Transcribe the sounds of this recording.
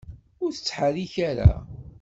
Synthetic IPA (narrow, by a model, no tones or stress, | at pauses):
ʊɾθə̥t͡sːħaðiçaɾæ̰